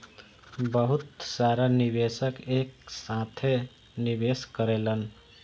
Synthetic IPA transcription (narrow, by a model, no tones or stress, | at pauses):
bəɦut̪saɾanibesəkeksãt̪ʰe | nibeskəɾelən